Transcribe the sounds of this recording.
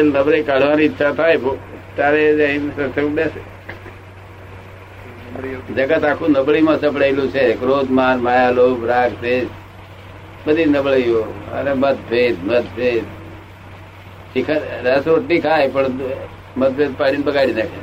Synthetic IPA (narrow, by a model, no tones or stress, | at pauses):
elnəbləjkaɽ̤ʋaniːtːʃʰat̪ʰajbot̪jaɾeə̃ĩsət̪ʰeũɽese | d͡ʒəɡət̪akʰũnəbɭimãsəpɽajlũt͡ʃʰekɾod̪maɾmajalobɾaɡt̪e | bəd̪ʱinəbɭəjoə̰nemət̪̚bʱed̪mət̪̚bʱed̪ | t͡ʃikʰəɾɾɛsɾoʈnikʰajpəɳ | mət̪̚bʱed̪̚paɽinbəɡaɽinakʰe